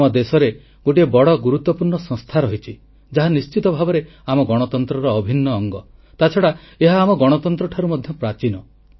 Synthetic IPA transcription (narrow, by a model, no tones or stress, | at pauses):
ɔd̪esɔɾe | ɡoʈiebɔɽɔɡuɾut̪ːɔpuɾɳɔsɔ̃ŋst̪ʰaɾɔɦit͡ʃʰi | d͡ʒaɦanist͡ʃit̪ɔbʱabɔɾe | amɔɡɔɽ̃ɔt̪ɔnt̪ɾɔɾɔːbʱinːɔːŋɡɔ | t̪at͡ʃʰɔɽa | eɦaːmɔɡɔɽ̃ɔt̪ɔnt̪ɾɔʈʰaɾumɔd̪ʱjɔpɾat͡ʃinɔ